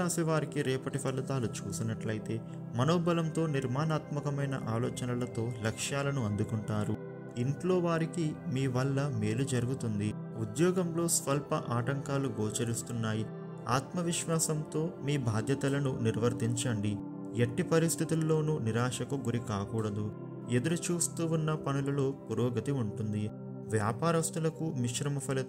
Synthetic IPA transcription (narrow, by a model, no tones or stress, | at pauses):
aːsiʋaːɾikiɾɛːpɐʈipʰɐlːɐt̪aːlut͡ʃṵːsinɐʈlɐjit̪e̞ː | mɐnoːbɐlɐmt̪o̞ːniɾmaːnaːt̪mɐkɐmɐjnɐ̰ʔaːlɔːt͡ʃɐnɐlɐt̪o̞ːlɐkʂjaːlɐnuɐnd̪ukuɳʈaːɾu | iɳʈlo̞ːʋaːɾikimiːʋɐlːɐme̞ːlud͡ʒɐɾuɡut̪und̪i | ud̪jɔːɡɐmlo̞ːsʋɐlpɐʔaːʈɐŋkaːluɡoːt͡ʃɐɾist̪unːaːji | a̰ːt̪mɐʋiʃʋaːsɐmt̪o̞ːmiːbʱaːd̪ʱjɐt̪ɐlɐnuniɾʋɐɾt̪iɲt͡ʃɐɳɖi | eʈːipɐɾist̪ʰit̪ulːo̞ːnuniɾaːʃɐkuɡuɾikaːkuːɽɐd̪u | e̞d̪ɐɾut͡ʃuːst̪uːunːɐpɐnulɐlo̞ːpuɾoːɡɐt̪iuɳʈund̪i | ʋjaːpaːɾɐst̪ulɐkumiʃɾɐmɐpʰɐlɐ